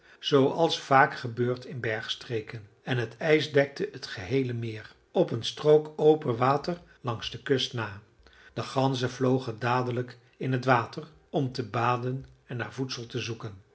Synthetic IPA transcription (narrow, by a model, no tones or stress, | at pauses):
z̥owɑlˠsfaːkχəbøːɹtɪnbɛɹχstrejkən | ɛnɦətɛjzdɛk̚təʔətχəɦejləmɪːr | ɔpənstrowkowpənʋaːtər | lɑŋzdəkʏstnaː | d̥əχɑnzəvlowχəndaːdələk | ɪnɦətʋaːtər | ɔmtəbaːdənɛnːa̰ːɹvutsəlˠtəzukən